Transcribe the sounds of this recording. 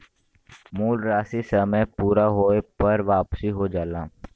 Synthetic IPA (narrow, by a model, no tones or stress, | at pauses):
muːlɾaːsisəməjpuːɾaɦoːepəɾʋaːpsiɦod͡ʒaːlaː